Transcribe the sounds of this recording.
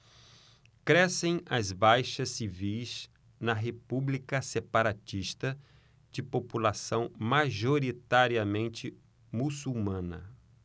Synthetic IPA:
kɾɛsẽj̃ɐzbajʃɐsːivijz | nɐɦepublikɐsepaɾat͡ʃiʃt̪ɐ | d͡ʒɪpopulasɐ̃w̃maʒoɾit̪aɾiɐmẽnt͡ʃɪ | musumɐ̃nɐ̰

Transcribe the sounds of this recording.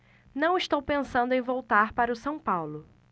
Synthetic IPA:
nɐ̃w̃ɪʃt̪owpẽsɐ̃nd̪ʊẽj̃vowt̪aɾpaɾɐʊsɐ̃w̃pawlʊ

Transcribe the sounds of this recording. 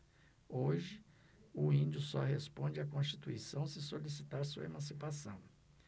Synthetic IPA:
oʒɪ | ʊĩnd͡ʒʊsɔhespõnd͡ʒɪakõst͡ʃi̥t̪uisɐ̃w̃sɪsolis̬it̪aɾsuɐḛmɐ̃sipasɐ̃w̃

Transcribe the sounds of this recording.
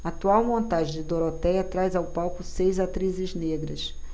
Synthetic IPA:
aat̪uawmõnt̪aʒẽd͡ʒɪd̪oɾot̪ɛjɐt̪ɾajzawpawkʊsejzat̪ɾizɪzneɡɾɐ̰s

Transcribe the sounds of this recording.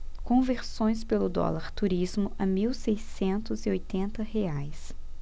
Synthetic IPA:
kõveɾsõj̃spelʊd̪ɔ̰laɾt̪uɾizmʊʔɐmiwsejsẽnt̪ʊziojt̪ẽnt̪ɐheajs

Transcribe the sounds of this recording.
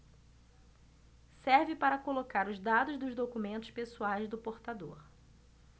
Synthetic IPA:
sɛɾvɪpaɾɐkolokaɾʊzd̪ad̪ʊzd̪ʊzd̪okumẽnt̪ʊʃpesuajzd̪ʊpoɾt̪ad̪oɾ

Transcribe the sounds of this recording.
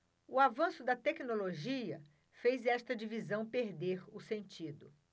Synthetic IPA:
ʊavɐ̃sʊd̪ɐt̪ɛknoloʒiɐ | fejzɛst̪ɐd͡ʒivizɐ̃w̃peɾd̪eɾʊsẽnt͡ʃid̪ʊ

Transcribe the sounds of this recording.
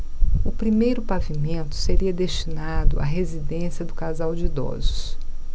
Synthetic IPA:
ʊpɾimejɾʊpavimẽnt̪ʊ̥seɾiɐd̪est͡ʃinad̪ʊ̰a̰ɦezid̪ẽsiɐd̪ʊkazawd͡ʒɪid̪ɔ̰zʊs

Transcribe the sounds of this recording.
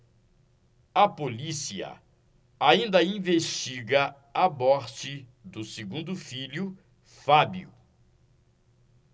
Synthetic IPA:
ɐpolisiɐ̰ | aĩnd̪ɐĩveʃt͡ʃiɡɐ | ɐmɔɾt͡ʃɪd̪ʊseɡũnd̪ʊfilʊ | fabjṵ

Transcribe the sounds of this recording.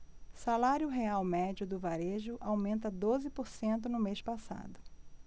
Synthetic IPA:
salaɾjʊɦeawmɛd͡ʒʊd̪ʊvaɾeʒʊʔawmẽnt̪ɐd̪ozɪpoɾsẽnt̪ʊnʊmeʃpasa̰d̪ʊ

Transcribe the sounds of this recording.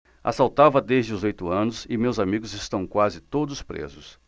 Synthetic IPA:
a̰sawt̪avɐd̪ezd͡ʒɪʊzojt̪ʊɐ̃nʊsɪmewzamiɡʊzɪst̪ɐ̃w̃kwazɪt̪od̪ʊspɾḛzʊs

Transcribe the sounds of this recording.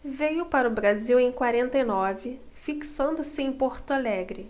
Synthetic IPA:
vejʊpaɾɐʊbɾaziwẽj̃kwaɾẽnt̪ejnɔvɪ | fiksɐ̃nd̪ʊsɪẽj̃poɾt̪alɛɡɾɪ

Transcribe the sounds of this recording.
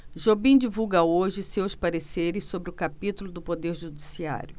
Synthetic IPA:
ʒobĩd͡ʒivuwɡɐoʒɪsewspaɾeseɾɪssobɾɪʊkapit̪ulʊd̪ʊpod̪eɾʒud͡ʒisia̰ɾʲjʊ

